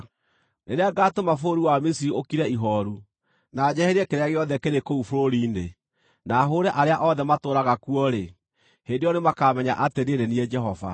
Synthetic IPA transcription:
neɾeaɡaːtomafoɾuwamisiɾiokiɾɛiɦɔɾu | nad͡ʑɛhɛɾɛkeɾeaɣeɔðɛkeɾekoufoɾoɾiːne | naːɦoɾɛʔaɾeaʔɔðɛmatoːɾaɣakuɔɾe | hendeɔnemakamɛɲa̰ʔateɾeɾeniɛd͡ʒɛɦɔva̰

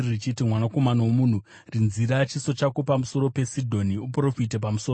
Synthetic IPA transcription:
rit͡ʃitimwanako̞manawomuːn̤u | rinziɾat͡ʃiso̞t͡ʃakopamuso̞ɾo̞pe̞sidʱo̞niupro̞fit̬e̞p̬amusoː

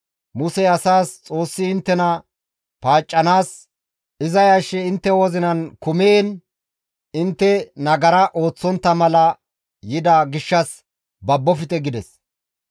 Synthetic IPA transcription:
mʊsɛɐsaːst͡sʼo̞ːsːɪɪnt̪ːɛnɐ | paːt͡ʃʼːɐnaːs | ɪzɐjɐʃːɛɪnt̪ːɛwɔzɪnɐnkʊmeːn | ɪnt̪ːɛnɐɡɐɾɐʔo̞ːt͡sːɔnt̪ːɐmɐlɐ | jɪd̪ɐɡɪʃːɐs | bɐbːɔfɪt̪ɛɡɪd̪ɛs

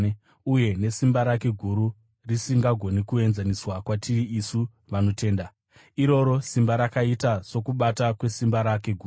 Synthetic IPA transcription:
uje̞ne̞simbaɾake̞ɡʱuɾu | risiŋɡaɡʱo̞nikue̞nzaniswakwatʰiiisu | ʋano̞te̞ːnda | iɾo̞ɾo̞simbaɾakaitaso̞kuɓatakwe̞simbaɾake̞ɡʱuːu

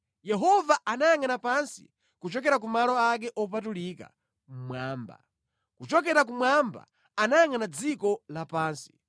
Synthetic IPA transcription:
jɛɦɔvaanajaŋanapansḭ | kut͡ʃɔkɛɾak̬umalɔak̬ɛʔɔp̬atuliːka̰ | m̩mwaːmba̰ | kut͡ʃɔk̬ɛɾakumwamba̰ | anajaŋanad͡zikɔlapaːnsi̥

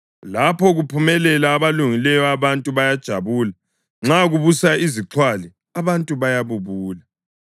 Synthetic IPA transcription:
lapʰɔɣupʰumɛlɛlaːβaluŋilɛjɔaβantʼuβajad̥ʒ̥ʱaβuːla | ŋ͡ǁaɣuβusaiziǁʰwali | aβantʼuβajaβuβuːla

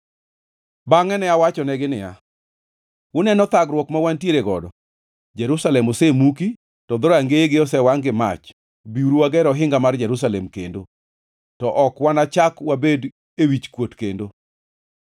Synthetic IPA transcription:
baŋɛnɛawat͡ʃɔnɛɡɪnɪja̰ | wʊnɛnɔt̪aɡɾwɔkmawantjeɾeɡɔdɔ | d͡ʒɛɾusalɛmosemuki | tɔd̪ɔɾɔaŋɡeeɡɪɔsɛwaŋɡɪma̰t͡ʃ | biuɾuwaɡɛɾɔɦɪŋɡamard͡ʒɛɾus̬alɛmkḛndo | tɔʔɔkwanat͡ʃakwabed | ewit͡ʃkwotkendo

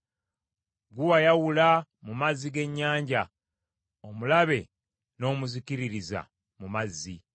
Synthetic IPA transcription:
ɡuwajawula | mumazːiɡe̞ɲːaːɲɟa | omulaβe̞ | no̞ːmuziciɾiɾiza̰ | mumazːi

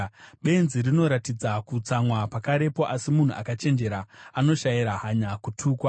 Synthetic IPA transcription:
ɓe̞nzirino̞ɾatid͡zakut͡samwapakaɾe̞po̞ʔasimun̤uʔa̰kat͡ʃe̞nd͡ʒe̞ɾaano̞ʃajiɾaɦaɲakutʰuːkwa

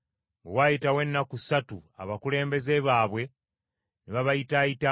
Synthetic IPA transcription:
ŋɡḛwajitawe̞nːakusatua̰βakule̞ːmbe̞ze̞βaːβwe̞ | neβaβajitajita

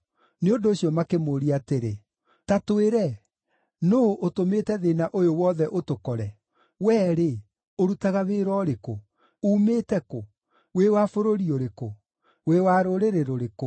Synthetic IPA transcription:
neondoːɕiɔmakemoɾiateɾe | tatoeɾɛ | noʔotometɛðenaʔojowɔðɛʔotokɔɾɛ | wɛːɾe | oɾutaɣaβeɾɔɾeko | uːmeːtɛko | wewafoɾoɾioɾeko | wewaːɾoɾeɾeɾoɾeko

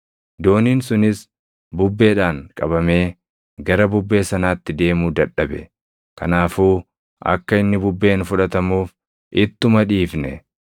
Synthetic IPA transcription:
d̪o̞ːniːnsʊnɪs | bʊbːe̞ːᶑaːŋkʼɐβɐme̞ː | ɡɐɾɐbʊbːe̞ːsɐnaːt̪ːɪd̪e̞ːmuːd̪ɐᶑːɐbɛ̰ | kɐnaːfuː | ʔɐ̰kːɐɪnːɪbʊbːe̞ːnfʊᶑɐt̪ɐmuːf | ʔɪt̪ːʊmɐᶑiːfnɛ̰

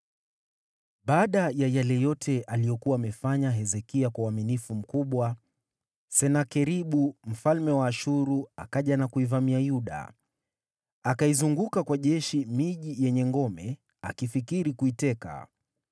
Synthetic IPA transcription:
ɓaːɗajajalɛjɔtʰɛʔalijɔkuwaːmɛfaɲaɦɛzɛkiakwauwaminifum̩kuɓwa | sɛnakɛɾiɓum̩falmɛwaːʃuɾua̰kaʄanakuivamiajuɗa̰ | akaizuŋɡukakwaʄɛʃimiʄijɛɲɛŋɡɔmɛ | a̰kifikiɾikuitɛka̰

